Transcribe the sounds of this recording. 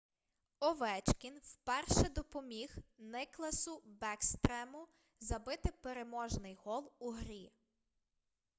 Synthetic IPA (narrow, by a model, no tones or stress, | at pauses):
ɔʋɛt͡ʃkʲinwpɛrʃɛd̪ɔpɔmʲixnɪklˠɐsʊbɛkst̪ɾɛmʊ | zɐbɪt̪ɪpeɾemɔʒnɪjɦɔlˠuɦɾʲi